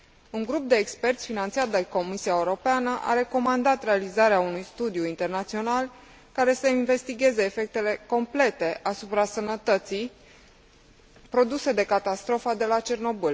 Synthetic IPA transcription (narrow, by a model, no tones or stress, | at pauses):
uŋɡɾup̚d̪e̞ːkspe̞rt̪sʲfinant̪siat̪̚d̪e̞ko̞misiaeuɾo̞peanəʔa̰ɾe̞ko̞mand̪at̪re̞alizaɾeaunujst̪ud̪juint̪e̞rnat̪sio̞nal | kaɾe̞səinve̞st̪iɡʲe̞zeːfe̞k̚t̪e̞le̞ko̞mple̞t̪e̞ʔasupɾasənət̪ət̪sij | pɾo̞d̪use̞d̪e̞kat̪ast̪ɾo̞fəd̪e̞lat͡ʃe̞rno̞bul